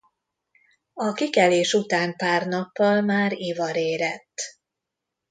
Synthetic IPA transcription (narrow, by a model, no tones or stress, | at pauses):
ɒkikɛleːʃut̪aːnpaːrnɒpːɒlmaːɾivɒɾeːɾɛt̪ː